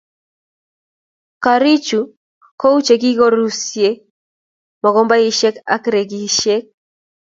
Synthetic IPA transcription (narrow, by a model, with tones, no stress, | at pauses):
ka˨ɾi˦t͡ʃu˨ | ko˦u˦t͡ʃe˨ɡi˦ɡɔ˦ɾu˦sje˦ | mɔ˨ɡɔ˦mba˦ji˦ʃe˦ka̰˦kɾe˨ɡi˨ʃe˦k̚